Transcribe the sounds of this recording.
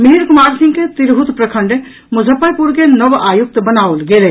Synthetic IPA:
miɦiɾkʊmaɾsĩŋɡket̪iɾɦut̪pɾəkʰəɳɖ | mʊd͡ʒʱəpːəjpuɾkenəʋaːjuk̚t̪bənaolɡele

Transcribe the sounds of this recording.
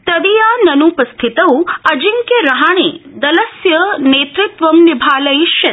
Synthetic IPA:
t̪ɐd̪ijanɐnupəst̪ʰit̪ɐwɐd͡ʒiŋkjeɾɐɦaɽ̃ed̪ɐlɐsjɐneːt̪ɾɪt̪ʋɐmnibʱaːlɐjʃjɐt̪

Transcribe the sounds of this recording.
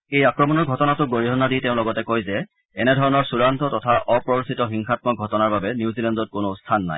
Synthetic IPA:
ejakɹɔmɔnɔɹɡʱɔtɔnatʊɡoɹiɦɔnːaditɛʊ̃lɔɡɔtɛkojzɛ | ɛnɛdʱɔɹɔnɔɹsuɹantɔtɔtʰaʔɔpɹɔɹsitɔxiŋxat̚mɔɡʱɔtɔnaɹbabɛnjuzilɛndɔt̚konʊstʰanːa̰j

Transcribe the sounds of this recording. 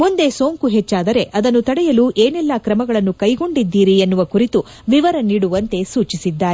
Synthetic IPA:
mund̪e̞so̞ːŋkuɦet͡ʃːaːd̪ɐɾe̞ʔɐd̪ɐnːut̪ɐɽɛjɐluːʔeːnɛlːɐkɾɐmɐɡɐɭɐnːukɐjɡo̞ɳɖid̪ːiːɾienːuʋɐkuɾit̪u | ʋiʋɐɾɐniːɽuʋɐnt̪e̞suːt͡ʃisid̪ːaːɾe

